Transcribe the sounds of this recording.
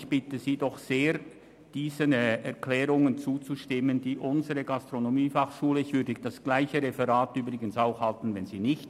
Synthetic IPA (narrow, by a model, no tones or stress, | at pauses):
çb̥ɪtəziːdɔχseːɾ | d̥iːzənɛɐklɛːʁʊŋənt͡suːt͡suʃtɪməndiːʔʊnzəʁəɡastʁonomiːfɑχʃuːləɪçv̥ʏɐdəd̥asɡ̥laɪçəʁɛfɛʁaːtyːbʁɪɡənsaʊxhaltn̩vɛnziːnɪçt